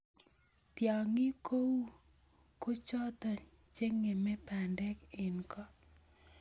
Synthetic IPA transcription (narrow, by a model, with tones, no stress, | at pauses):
t̪ja˨ŋɪ˦ko˦wu˦ | ko˦t͡ʃɔ˦t̪ɔ˨ | t͡ʃe˦ŋe˨mɛ˦pa˨ndɛ˦kɪ˨nkɔ˦